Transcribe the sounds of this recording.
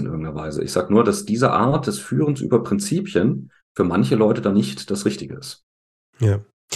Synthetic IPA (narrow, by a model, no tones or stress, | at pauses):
ɪnʔɪ̰ɐɡŋ̩tnɐvaɪzə̰ʔɪ̰çz̥aːɡənuːɐdasd̥iːzəʔaːɐt̚d̥ɛsfyːʁ̞ənsʔy̰ːbɐpʁ̥ɪnt͡siːpjən | fyːɐmançəlɔʏtədanɪçtd̥asʁɪçtɪɡəɪst | jaː